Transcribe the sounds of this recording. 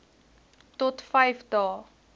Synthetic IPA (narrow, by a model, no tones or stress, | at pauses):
tɔtfɐjfdɑː